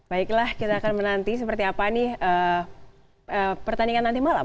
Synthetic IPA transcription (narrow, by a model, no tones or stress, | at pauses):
b̥aiklahkit̪aːkanmənant̪is̬əpərt̪iapaniə | əpərt̪aniŋanːand̪imala̰